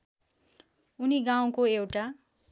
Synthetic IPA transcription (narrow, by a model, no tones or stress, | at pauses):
uniɡaw̃koewʈa